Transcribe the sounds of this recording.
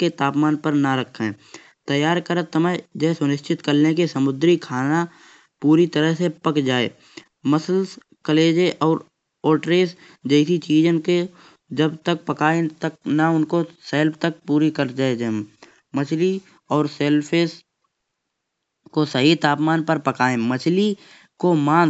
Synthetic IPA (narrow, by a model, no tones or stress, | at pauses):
ket̪aːpmaːnpəɾnaɾəkʰːɛ̃ː | t̪əjːaːɾkəɾət̪əməd͡ʒɛɦsʊnɪʃt͡ʃɪt̪kəɾnekesəmʊd̪ɾikʰaːna | puːɾit̪əɾəɦsepəkd͡ʒaːḛː | məsəls | kəleːd͡ʒeʔɔːɾ | oːʈɾeːs | d͡ʒɛːsit͡ʃiːd͡ʒənke | d͡ʒəbt̪ək̚pəkaːẽt̪ək̚naʊnkoseːlpʰt̪ək̚puːɾikəɾd͡ʒaːed͡ʒə | mət͡ʃʰli | ɔːɾseːlpʰeːs | kosəɦit̪aːpmaːnpəɾpəkaːẽmət͡ʃʰli | komaː